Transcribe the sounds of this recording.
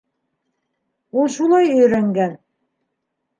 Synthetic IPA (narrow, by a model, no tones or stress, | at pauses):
ulˠʃulˠɑjɵ̆jɾæŋɡæn